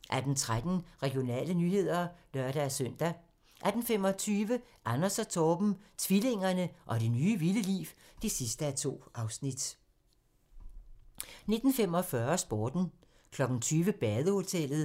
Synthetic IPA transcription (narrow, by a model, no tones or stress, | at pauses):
ʔæɐd̥ent͡sʰʁad̥n̩ʁɛɡ̥ijo̝nɛ̰ːlənyːɦe̝ð̞̰ˠɐlɶɐɾ̥æsøn̰d̥æ | ʔæɐd̥enfem̰ɒ̽t͡sʰyːʋə | ʔɑnɐsæt͡sʰɒːb̥m̩t͡sʰʋile̝ŋ̰ɐnəʔɒ̽ɾ̥e̝nyːʋiləlḭːw | d̥e̝sisd̥əæt͡sʰo̝̰ːʔɑ̈ʊsnid̥ | ne̝d̥n̩femɒfɶɐsb̥oːd̥n̩ | kʰlɒ̽ɡ̥n̩t͡sʰyːʋəb̥ɛːðˠəho̝t͡sʰel̰ð̩ˠ